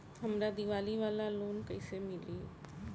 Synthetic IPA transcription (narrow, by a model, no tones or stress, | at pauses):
ɦəmɾad̪iʋaːliʋaːlaloːnkəɪsemɪli